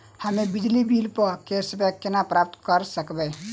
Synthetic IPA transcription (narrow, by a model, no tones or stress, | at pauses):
həmebid͡ʒlibilpəkesəbəkːenapɾap̚t̪kəɾsəkbɛ